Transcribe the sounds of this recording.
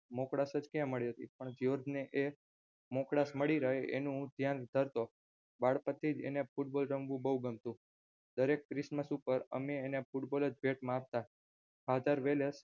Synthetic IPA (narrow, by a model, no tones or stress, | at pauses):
mokɽasəd͡ʒkjãməɭiɦət̪ḭpəɳd͡ʒjoɾd̪ʱneʔe | mokɽasməɽiɾəɦeʔḛnũd̪ʱjand̪ʱəɾt̪o | baɽpət̪ʰːid͡ʒḛnefuʈ̚bolɾəmɡʋũbəuɡəmt̪ũ | d̪əɾekːɾɪsməsupəɾə̰meːnepuʈboləd͡ʒbʱeʈmãap̚t̪a | ɦad̪ʱaɾʋeles